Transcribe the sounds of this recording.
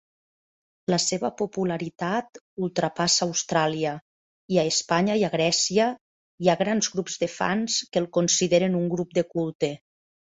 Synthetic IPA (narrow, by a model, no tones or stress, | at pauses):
laseβəpopulaɾit̪at̪ | ulˠt̪ɾapasaːwst̪ɾaliə | iaespaɲaiaɣɾɛsiə | iaɣɾanzɣɾupzðəfa̰nskəlˠkonsiðeɾenuŋɡɾup̚d̪ekulˠt̪e